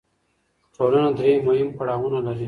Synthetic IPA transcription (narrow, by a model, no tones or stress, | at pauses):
ʈolanad̪ɾemohɪmpaɽɑwunalaɾi